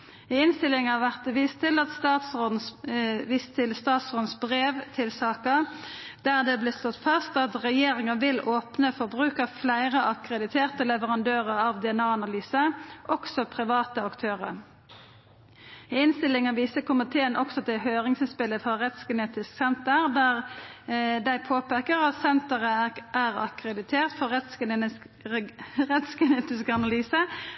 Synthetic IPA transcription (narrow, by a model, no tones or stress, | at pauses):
ɪɪnst̪ɪlɪŋɑʋæʁt̪əʋiːst̪ʰɪlɑt̪st̪ɑt̪s̩ | ʋiːst̪ʰːɪlst̪ɑːt̪soːd̪nsbʁeːʋt̪ʰɪlsɑːkəd̪̥æʁd̪ɛblɪst̪ɔt̪fɑst̪ɑt̪ʁɛjeːʁɪŋəʋɪloːpnəfɔʁbʁʉːkəʁflæɪʁəʔɑkʁɛd̪ɪt̪ʰeːʁt̪əlɛʋəʁɑnd̪øːʁəʁɑʋd̪ɛɛnɑːɑnɑlyːsəʔɔksɔpʰʁɪʋɑːt̪əɑkt̪ʰøːʁə̰ʁ | ɪnst̪ɪlːɪŋəʋiːsəkʰʊmɪt̪ʰeːənʔɔksɔd̪ɛɦøːʁɪŋsɪnspɪləfɑʁɛt̪sɡ̥ɛneːt̪ɪsksɛnt̪əʁd̪æːʁ | d̪æɪpʰoːpeːkəʁɑt̪sɛnt̪əʁəʔæʁɑ̰kɾɛd̪ɪt̪ʰeːʁt̪fɔɛt̪s | ʁɛt̪sɡɛneːt̪ɪskəɑnɑlyːsə